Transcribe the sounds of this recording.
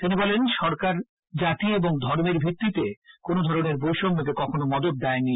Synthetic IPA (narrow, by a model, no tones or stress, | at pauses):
t̪inibɔlenʃɔɾkaɾ | d͡ʑat̪ieboŋd̪ʱɔɾmeɾbʱik̚t̪ːit̪ekonod̪ʱɔɾoneɾbowʃomːot̪̬ekɔkʰonomɔd̪ot̪̚d̪ɛeni